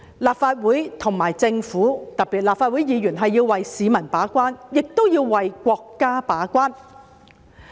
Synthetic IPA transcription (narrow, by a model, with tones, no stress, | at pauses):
laː˨p̚faː˧t̚wuː˨˥jt̪ʰʊ˨˩ŋmaː˨˩jt͡sɪ˧ŋfuː˨˥t̪ɐ˨˩k̚piː˨t̚laː˨pfaː˧t̚wuː˨˥jiː˨˧jyː˨˩nɦɐ˨jːiː˧wwɐ˨jsiː˨˧mɐ˨˩npaː˨˥kʷaː˥njɪ˨k̚t̪o˥wjiː˧wwɐ˨jkʷɔː˧kːaː˥paː˨˥kʷaː˥n